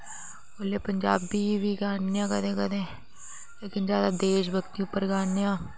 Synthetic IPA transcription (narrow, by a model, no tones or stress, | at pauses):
oleːpəɲd͡ʒaːbiːʋiːɡaːnjãːkəd̪ẽːkəd̪ẽː | leːkɪnd͡ʒjaːd̪aːd̪eːʃ̬bʱəɡt̪iːʊpːəɾɡaːnjãː